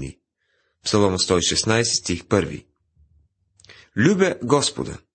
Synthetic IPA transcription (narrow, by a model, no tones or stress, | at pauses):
nḭ | psɐlˠɔmst̪ɔiʃɛsnajsɛ̥st̪ʲixpəɾvḭ | lʲubɛɡɔspo̰d̪ə̰